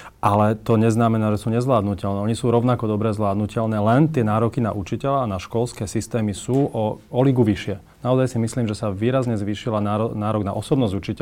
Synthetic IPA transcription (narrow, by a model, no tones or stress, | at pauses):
ʔalɛt̪ɔɲɛznamɛnaːʒɛsuːɲɛzʋlaːd̪nucɛlnɛːɔɲisuːɾɔʊnakɔd̪ɔbɾɛzʋlaːd̪nucɛʎnɛːlɛnt̪ɪɛnaːɾɔkina̰ʔut͡ʃicɛlaanaʃkɔlskɛːsist̪ɛːmisuːʔɔɔliɡuʋiʃɪɛ | naɔzajsimisliːmʒɛsaʋiːɾazɲɛzʋiːʃilanaːɾɔnaːɾɔɡna̰ʔɔsɔbnɔzɟut͡ʃicɛ